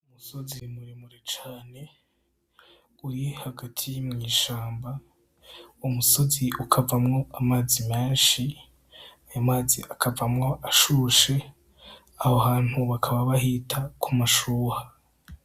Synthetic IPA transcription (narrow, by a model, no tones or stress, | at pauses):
umuso̞zimuɾimuɾet͡ʃaːne̞ | ujehaɡatʰijimŋiːʃaːmba | umuso̞ziʔukʰavamŋo̞ʔamaːzimeːnʃi | ajamaːzḭʔakʰavamŋo̞ʔaʃuːʃe̞ | ahoɦaːn̥huβakʰaβaβaɦitʰakʰumaʃuːha